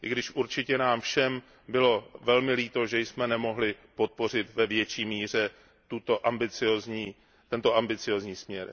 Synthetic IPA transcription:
ʔɪɡdɪʃʔuɾt͡ʃɪcɛnaːmfʃɛm | bɪlo̞vɛlmɪliːt̪o̞ʒɛjsmɛnɛmo̞ɦlɪpo̞t̪̚po̞r̝ɪt̪vɛvjɛt͡ʃiːmiːr̝ɛ | t̪ut̪oʔambɪt͡sɪozɲiː | t̪ɛnt̪oʔambɪt͡sɪo̞ːzɲiːsmɲɛɾ

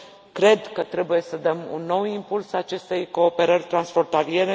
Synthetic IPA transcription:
kɾe̞d̪kət̪ɾe̞buje̞səd̪əmṵnːo̞wimpulsat͡ʃe̞st̪e̞jko̞ːpe̞ɾərʲt̪ɾansfo̞nt̪alije̞ɾe

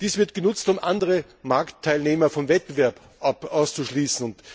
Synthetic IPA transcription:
d̥iːsv̥ɪɐtɡ̥ənʊt͡stʊmʔandəʁə | maɐktʰːaɪlneːmɐfɔmvɛt̚b̥əvɛɐp | ʔapʔaʊst͡suʃliːsn̩ʊnt

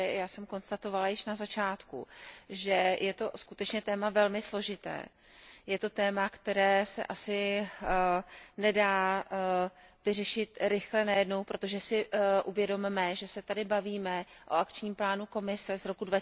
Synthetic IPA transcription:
jaːsɛmko̞nst̪at̪o̞valajɪʃnazat͡ʃaːt̪kṵʒɛjɛt̪o̞skut̪ɛt͡ʃɲɛt̪ɛːmavɛlmɪslo̞ʒɪt̪ɛ̰ː | jɛt̪o̞t̪ɛːmakt̪ɛɾɛːsɛ̰ʔasɪ | nɛdaː | vɪrɛʃɪt̪ɾɪxlɛnajɛdno̞wpɾo̞t̪o̞ʒɛsɪʔuvjɛdo̞mmɛʒɛsɛt̪adɪbaviːmɛʔoakt͡ʃɲiːmplaːnuko̞mɪsɛzɾo̞kudva

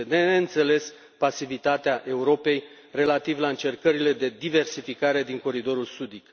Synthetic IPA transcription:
ene̞ɨnt̪se̞le̞s | pasivit̪at̪eaʔe̞uɾo̞pe̞j | re̞lat̪ivlaɨnt͡ʃe̞rkəɾile̞d̪e̞d̪ive̞rsifikaɾe̞d̪iŋko̞ɾid̪o̞ɾulsud̪ik

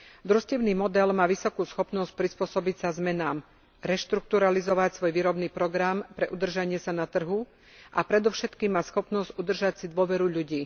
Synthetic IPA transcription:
d̪ɾuscɛʊniːmɔd̪ɛlmaːʋisɔkuːsxɔpnɔsc̚pɾispʊɔsɔbicsazmɛnaːm | ɾɛʃt̪ɾuk̚t̪uɾalizɔʋacsʋɔjʋiːɾɔbniːpɾɔɡɾampɾɛʔud̪r̩ʒaɲɪɛsanat̪r̩ɦu | ʔapɾɛd̪ɔʊʃɛt̪kiːmːaːsxɔpnɔzɟud̪r̩ʒacsid̪ʋʊɔʋɛɾuʎuɟiː

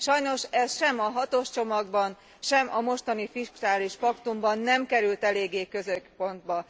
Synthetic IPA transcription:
ʃɒjno̞ʃɛsʃɛmɒɦɒt̪o̞ʃt͡ʃo̞mɒɡbɒn | ʃɛmɒmo̞ʃt̪ɒnifiʃkaːliʃpɒkt̪umbɒnːɛmkɛɾylt̪ɛleːɡːeːkø̞zøkpo̞nd̪bɒ

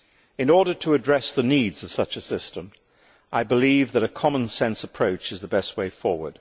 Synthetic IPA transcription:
ɨ̃nɔɹɾə˞ɾʰəːdɹɛsðənidzʌv̥sʌt͡ʃɨsɪstə̃m | ʔaɪbəlivðɨɾɨkʰɑmə̃nsɛ̃nsəpʰɹ̥oʊt͡ʃɨzðəbɛst̚weɪfɔɹwə̰˞d̥

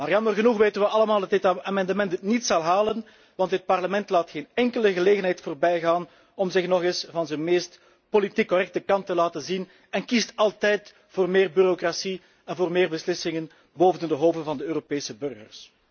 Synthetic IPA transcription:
maːrjɑmərɣənuxʋeːtənʋəɑləmaːlˠdɑtdɪtaːmɛndəmɛntnitsɑlˠɦaːlən | ʋɑntɦət̚pɑrləmɛntlaːtxeːnɛŋkələɣəleːɣənɦɛjtfoːrbɛjɣaːn | ɔmzɪxnɔɣɪsvɑnzənmeːst | politikːɔrɛk̚təkɑntəlaːtənzin | ɛnkistɑlˠtɛjt | foːrmeːrbyɾokrasi | ɛnvoːrmeːrbəslɪsɪŋən | boːvənndəɦoːvdəvɑndəøːropeːsəbɵrɣə̰rs

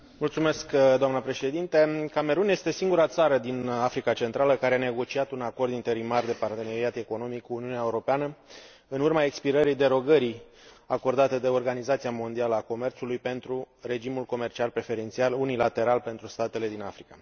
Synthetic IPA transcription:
mult̪sumeskd̪oamnəpɾe̞ʃe̞d̪int̪e̞kame̞ɾunje̞st̪e̞siŋɡuɾat̪saɾəd̪inafɾikat͡ʃe̞nt̪ɾaləkaɾeane̞ɡo̞t͡ʃiat̪unako̞rd̪int̪e̞ɾimard̪e̞part̪e̞ne̞ɾiat̪e̞ko̞no̞mikːuːniuneaeuɾo̞peanə | ɨnurmae̞kspiɾəɾid̪e̞ɾo̞ɡəɾi | ako̞rd̪at̪ed̪e̞o̞rɡanizat̪siamo̞nd̪ialəako̞me̞rt̪sulujpe̞nt̪ɾu | re̞d͡ʒimulko̞me̞rt͡ʃialpɾe̞fe̞ɾe̞nt̪sialunilat̪e̞ɾalpe̞nt̪ɾust̪at̪e̞le̞d̪inafɾika

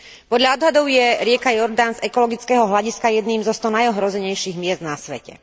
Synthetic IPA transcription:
pɔd̪ʎaɔd̪ɦad̪ɔʊjɛɾɪɛkajɔɾd̪aːnzɛkɔlɔɡit͡skɛːɦɔɦlaɟiskajɛd̪niːmzɔst̪ɔnajɔɦɾɔzɛɲɛjʃiːɣmɪɛzd̪nasʋɛ̰cɛ̰

